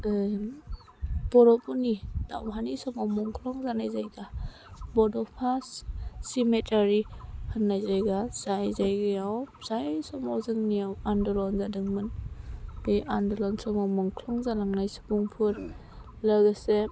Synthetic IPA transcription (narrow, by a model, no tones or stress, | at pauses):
bɔɾɔpɔnida̰wɦanisɔmawmɔŋkʰlɔŋzanajzajɡa | bɔdɔpʰasːimetaɾihanːajzajɡaz̥ajzajɡɯjawz̥ajsɔmɔzɯŋnijawandɔlɔnzadɯŋmɯn | biʔandɔlɔnsɔmawmɔŋkʰlɔŋzalaŋnajsu̥buŋpʰɯɾ | laɡɯse